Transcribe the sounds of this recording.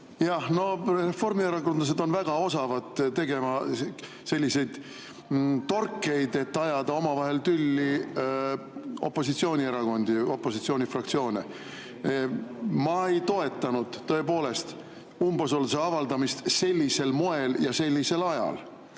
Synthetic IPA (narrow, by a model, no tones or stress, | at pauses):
jɑhno̞re̞fːo̞rmieɾɑɡond̪lɑs̬e̞d̪o̞nvæɡ̥ɑo̞sɑvɑd̪̥t̪e̞ɡ̥e̞mɑ | se̞lʲːise̞jd̪̥ | t̪o̞rkːˑe̞jd̪e̞t̪ːɑjɑd̪ɑo̞mɑvɑɦe̞lt̪ylʲːi | o̞̰pːˑo̞sit̪sio̞ːnʲieɾɑɡ̥o̞nd̪̥io̞pːˑo̞sit̪sio̞ːnʲifrɑkt̪sio̞ːnḛ | mɑe̞jt̪o̞e̞t̪ˑːɑnud̪̥t̪ːɤ̞e̞po̞ːle̞st̪ | umbeso̞ls̬eɑvɑld̪ɑmist̪se̞lʲːise̞lmo̞e̞ljɑse̞lʲːise̞lɑjɑ̰l